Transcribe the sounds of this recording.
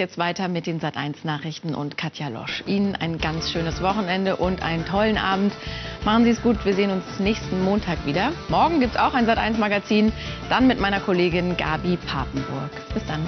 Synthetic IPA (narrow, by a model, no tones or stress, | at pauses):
jɛt͡stv̥aɪtɐmɪt̚d̥eːnzatʔa̰ɪnsnaːχʁ̥ɪçtn̩ʔʊ̰ntkʰatʰjalɔ̰ʃʔiːnənʔa̰ɪnɡant͡sʃøːnəsv̥ɔχn̩ɛndəʔʊntʔa̰ɪnəntʰɔlənʔa̰ːbm̩tmaχn̩ziːsɡ̥uːtv̥iːɐzeːənʊnsnɛːçstn̩moːntʰaːkv̥iːdɐmɔɐɡŋ̩ɡiːptsa̰ʊxaɪnzatʔa̰ɪnsmaɡat͡siːnd̥anmɪtmaɪnɐkʰoleːɡɪnɡa̰ːbipʰa̰ːpm̩bʊɐkb̥ɪsd̥an